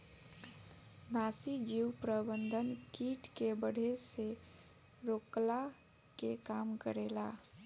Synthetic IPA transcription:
nasid͡ʒiwpɾəbənd̪ʱənkiʈkebəɽ̤ʱese | ɾokla | kekamkəɾela

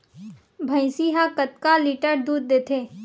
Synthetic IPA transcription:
bʱə̃ɪ̃siɦakət̪̚kaliʈəɾd̪uːd̪̚ːeːt̪ʰeː

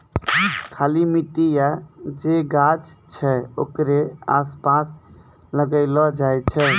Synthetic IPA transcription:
kʰalimiʈ̪ijad͡ʒeɡad͡ʒt͡ʃʰɛo̰kɾeaspas | ləɡəɪlɔd͡ʒajt͡ʃʰɛ

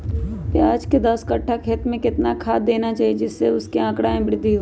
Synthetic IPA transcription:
peaːd͡ʒked̪əskəʈʰːakʰeːt̪mẽkɪt̪nakʰaːd̪eːnat͡ʃaːɦied͡ʒɪsːeʊskeãːkɽaẽbɪɾɪd̪ʱːiɦo

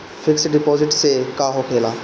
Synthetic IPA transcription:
fʰɪksɖɪpɔːzɪʈsekaːɦokʰeːlaː

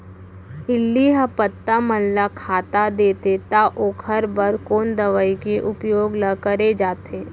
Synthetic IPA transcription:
ɪlːiɦapət̪ːaməlːakʰaːt̪ad̪eːt̪et̪aʔoːkʰəɾbəɾkoːnd̪əʋaikeʔʊpjoːɡləkəɾed͡ʒaːt̪eː

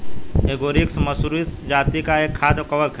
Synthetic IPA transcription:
eːɡoːɾiksmɐsuɾisd͡ʒaːt̪ikaeːkʰːaːd̪kɐʋəɾkʰ

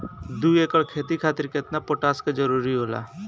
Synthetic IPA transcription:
d̪uːeːkəɭkʰeːt̪ikʰaːt̪ɪɾkeɪɪt̪napoːʈaːskad͡ʒɐɾuːɾiɦoːla̰ː

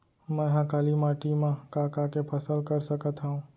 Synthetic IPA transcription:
mɛ̃ɦãkalimaʈimãkakakepʰəsəlkəɾsəkət̪ɦaũ

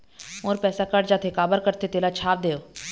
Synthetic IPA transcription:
moːɾpɛːsakəɖd͡ʒaːt̪ʰekaːbəɾkəɾt̪et̪eːlat͡ʃʰaːp̚d̪eːjoː

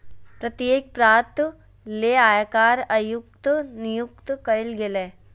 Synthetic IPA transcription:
pɾɐt̪jeːk̚pɾaːt̪ | leːaːjakaːɾɐjʊk̚t̪nɪjʊk̚t̪kɐɪlɡeleː

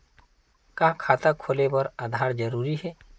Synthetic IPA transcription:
kaːkʰaːt̪akʰolebəɾad̪ʱaːɾd͡ʒəɾuːɾiɦɛː

